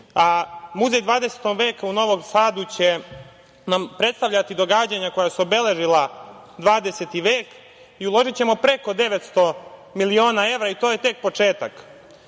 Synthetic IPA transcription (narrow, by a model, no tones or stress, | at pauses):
amuzejd̪ʋaːd̪ese̥t̪oɡʋe̞ːkauno̞ʋo̞msaːd̪ut͡ɕe̞ | nampɾe̞t̪st̪aʋʎʲat̪id̪o̞ɡaːd͡ʑaɲako̞jasuobe̞le̞ʒila | d̪ʋaːd̪eset̪iʋeːk | iulˠo̞ʒit͡ɕe̞mo̞pɾe̞ko̞d̪e̞ʋet̪st̪o̞milio̞ːnae̞ʋɾait̪o̞ːje̞t̪e̞k̚po̞t͡ʃe̞ːt̪ak